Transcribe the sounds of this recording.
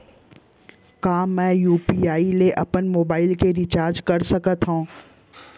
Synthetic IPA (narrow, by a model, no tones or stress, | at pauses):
kãːmɛ̃ːjuːpiaːileʔɐpənmoːbaːɪlkeɾɪt͡ɕaːɾd͡ʑkɐɾsɐkət̪ʰɦõː